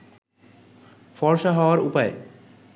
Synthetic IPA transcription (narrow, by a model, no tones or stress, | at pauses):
fɔɾʃaɦɔoaɾupae